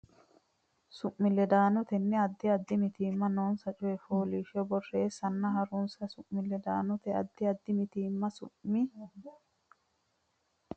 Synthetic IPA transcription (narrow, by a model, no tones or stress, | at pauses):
sʊʔmɪlɛd̪aːnɔt̪ɛnːɛɐd̪ːɪɐd̪ːɪmɪt̪iːmːɐnoːnsɐt͡ʃʼʊjɛfoːliːʃɪɔbɔrːeːsɐnːɐɦɐɾʊnsɐsʊʔmːɪlɛd̪aːnɔt̪ɛɐd̪ːɪɐd̪ːɪmɪt̪iːmːɐsʊʔmːɪ